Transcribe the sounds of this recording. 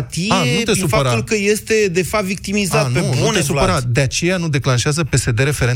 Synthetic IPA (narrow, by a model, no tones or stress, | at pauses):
t̪iaenut̪esupfaəɾaulkəje̞st̪e̞d̪e̞fapt̪vik̚t̪imizatnpeuunesupəɾat̪d̪eat͡ʃe̞janud̪e̞klanʃeazəpe̞se̞d̪e̞ɾe̞fe̞ɾe